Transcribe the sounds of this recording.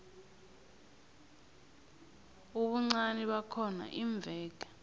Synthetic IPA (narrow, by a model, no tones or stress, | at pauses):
uɓuŋ͡ǀaniɓakʰɔna̰ʔiɱb̪vʱɛːk̬ḁ